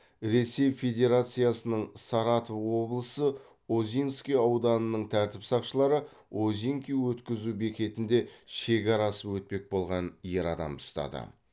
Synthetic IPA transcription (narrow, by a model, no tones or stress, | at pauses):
ɾe̞se̞jfe̞d̪ʲe̞ɾat̪sɨjasənəɴsɑɾɑt̪ovwo̞blˠəsə | ozʲinskʲijɑwd̪ɑnənəɴt̪ʰæɾt̪ɪpsɑqʃəlˠɑɾə | ozʲiŋkʲijwɵt̪kʲɪzube̞kʲe̞t̪ɪnd̪e̞ʃe̞kʲɑɾɑsəpwɵt̪̚pe̞k̚bo̞lˠʁɑnje̞ɾɑd̪ɑ̰mt̪ʰʊ̥st̪ɑ̰d̪ə̰